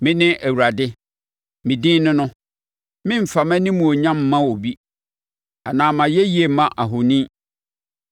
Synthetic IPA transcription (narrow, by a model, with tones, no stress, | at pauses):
mɪ̃˦nɪ̃˦ʔæ˨wu˨ɾa˨dɪ˦ | mɪ̃˨dɪ̃ː˦nʊ̃˦nʊ̃˦ | mɪ̃˦m̩˨fa˨mɛ̃˦nɪ̃˦mũ˨o˨ɲã˦m˦mã˦wo˨bi˦ | a˨nãː˨mã˨jɛ˦ji˨e˨mã˦ʔa˨ɦʊ˨nĩ˦